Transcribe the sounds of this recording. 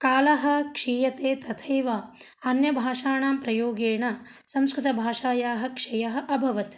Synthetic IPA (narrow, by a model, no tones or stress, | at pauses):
kaːlɐɦɐ̆kʂiːjɐt̪eːt̪ɐt̪ʰɐjʋa | ɐnjɐbʱaːʂaːɳaːmpɾɐjoːɡeːɳɐ | sɐ̃mskɾɪt̪ɐbʱaːʂaːjaːɦɐ̆kʂɐjɐɦɐ̆ʔɐbʱɐʋɐt̪